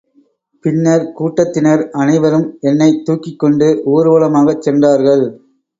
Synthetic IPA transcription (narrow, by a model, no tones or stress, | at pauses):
pɪnːɐɾkuːʈːɐt̪ːɪnɐɾɐnɐɪʋɐɾɯmɛnːɐɪt̪ːuːkːɪkːɔɳɖɯʔuːɾɯʋɐɭɐmaːɣɐt͡ʃːɛndraːɾɣɐɭ